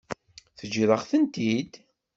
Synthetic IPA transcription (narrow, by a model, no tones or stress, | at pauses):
θəd͡ʒiðˤəχθənt̪id̪